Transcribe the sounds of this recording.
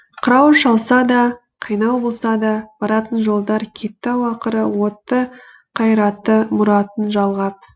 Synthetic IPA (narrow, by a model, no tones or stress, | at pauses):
qʰəɾɑwʃɑlˠsɑd̪ɑ | qʰijnɑwbo̞lˠsɑd̪ɑb̥ɑɾɑt̪ənʒo̞lˠd̪ɑɾkʲʰe̞t̪ːɑwɑqəɾəwo̞t̪ːə | qʰɑjɾɑt̪ːəmʊɾɑt̪ənʒɑlˠʁɑp̚